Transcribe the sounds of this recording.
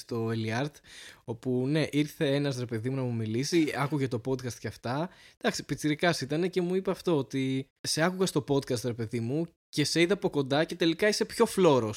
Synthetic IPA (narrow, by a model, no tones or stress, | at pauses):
st̪o̞eliɐɾt̪o̞pune̞ʔiɾθe̞enɐs̬ɾe̞pe̞ðimunɐmumilisiɐkuʝe̞t̪o̞po̞d̪̚kɐst̪̚ceɐft̪ɐd̪̥ɐksi̥pit͡siɾikɐsit̪ɐne̞ce̞muipɐːft̪o̞ot̪i | se̞ɐkuɣɐst̪o̞po̞d̪̚kɐst̪ɾe̞pe̞ðimu | ce̞se̞iðɐpo̞ko̞nd̪ɐce̞t̪e̞likɐise̞pço̞flo̞ɾo̞s